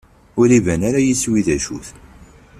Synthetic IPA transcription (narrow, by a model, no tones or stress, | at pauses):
ʊlivænaɾajisːwiðæʃuθ